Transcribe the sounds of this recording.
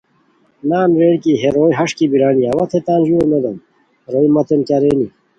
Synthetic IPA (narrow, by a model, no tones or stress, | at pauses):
naːnɾeːɽkiɦeɾoːjɦɐʂkibiɾaːniɐwɐt̪ʰet̪aːnʑuemed̪ɐm | ɾoːjmɐt̪enkaɾeːni